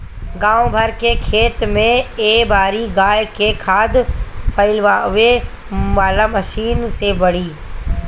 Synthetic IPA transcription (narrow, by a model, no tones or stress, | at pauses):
ɡãːw̃bʱɐɾkekʰeːt̪mẽeːbaːɾiɡaːjkekʰaːd̪pʰɐɪlʋaʋe | ʋaːlamɐʃiːnseʋɐɽ̤iː